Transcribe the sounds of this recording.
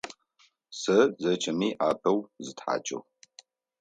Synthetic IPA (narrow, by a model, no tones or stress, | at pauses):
sɐzɐt͡ʃʼɐmiːʔaːpʰɐwzɨtħa̰ːt͡ʃʼɨ̰ʁ